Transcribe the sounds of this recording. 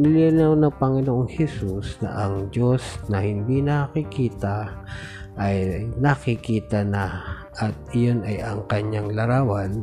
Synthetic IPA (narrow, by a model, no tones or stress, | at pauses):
nɪlilawnɐŋpɐŋɪnoʔoŋhɛsusnɐ̰ʔɐŋd͡ʒo̞snɐhɪnd̪inɐkkɪkiːt̪a | ʔɐjnɐkɪkiːt̪ɐna | ʔɐt̪̚ɐjonajɐŋkɐɲaŋlɐɾaːwan